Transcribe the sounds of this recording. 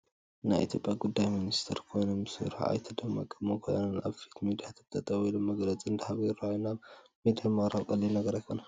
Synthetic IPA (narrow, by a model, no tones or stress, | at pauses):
najʔḭt̪ʰjo̞pʼjaɡud̪ːajminist̪ʰeɾkʰo̞jnomɨsɨ̰ɾħa̰a̰jt̪ʰɐd̪ɐma̰kʼːɨmːɐkʰo̰jnɐnʔa̰βfi̥t̪ʰmid̪ijat̪ʰɨβt̪ʰɐt̪ʼɐwilomɐɡlɐt͡sʼiɨnd̪ɐhaβjɪɾajunaβmid̪jamaɾaβkʼɐlːinɐɡɐɾajkʰo̞na